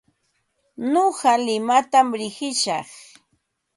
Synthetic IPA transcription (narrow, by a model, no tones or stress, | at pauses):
noɢɑlɪmat̪amɾɪɢɪʃɑχ